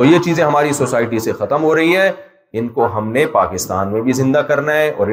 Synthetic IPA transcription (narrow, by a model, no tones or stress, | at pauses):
t̪ojet͡ʃiːzẽɦɐmaːɾisoːsaːɪʈisexɐt̪əmɦoɾɐɦiɦɛ̃ | ɪnkoɦɐmnepa̰ːkɪst̪a̰ːnmẽbʱizɪ̃nd̪akɐɾnaɦɛ̃ʔɔ̰ːɾɪ